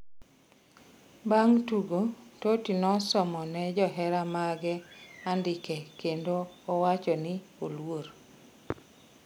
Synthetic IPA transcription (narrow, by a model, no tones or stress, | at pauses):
baŋtuɡototinɔsɔmɔnɛd͡ʒɔɦɛɾamaɡɛandɪkɛkendoːwat͡ʃɔnɪolwoɾ